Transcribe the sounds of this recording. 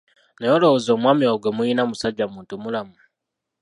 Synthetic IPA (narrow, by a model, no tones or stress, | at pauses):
nejolozoːmwamioɡemuinamusaɟamuːntumulamu